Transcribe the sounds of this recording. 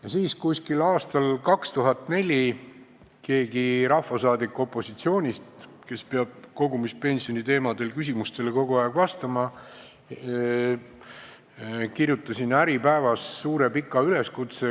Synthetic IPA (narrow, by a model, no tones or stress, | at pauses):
jɑsiːskusʲkilɑːst̪ɑlkɑkst̪uɦɑt̪ːˑne̞lʲi | ke̞ːɡiɾɑhːɑsɑːd̪ikːˑo̞pːˑo̞sit̪sio̞ːnʲist̪ | ke̞speɑb̥̚ko̞ɡumispe̞nʲsio̞nit̪e̞ːmɑd̪̥e̞lkys̬ʲimust̪e̞leko̞ɡ̥uɑeɡ̥vɑst̪ɑmɑ | kiɾjut̪ːˑɑsinæɾipæevɑsːuːɾe̞pikːˑɑyle̞skut̪se